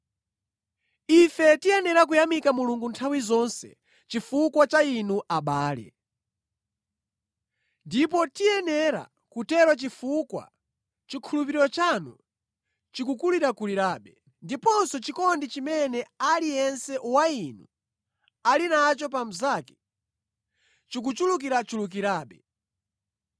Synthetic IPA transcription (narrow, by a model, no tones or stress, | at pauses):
ifɛtijɛnɛɾak̬ujamikamuluŋɡuntʰawizɔnsɛ̰ | t͡ʃifukwat͡ʃainuʔaɓaːlɛ̰ | ndipɔtijɛnɛɾa̰ | kutɛɾwat͡ʃifukwa̰ | t͡ʃikʰulupiɾiɾɔt͡ʃanṵ | t͡ʃikukuliɾakuliɾaːɓɛ | ndipɔnsɔt͡ʃikɔndit͡ʃimɛnɛalijɛnsɛwainṵ | alinat͡ʃɔp̬am̩zakɛ̥ | t͡ʃik̬ut͡ʃuluk̬iɾat͡ʃuluk̬iɾaːɓɛ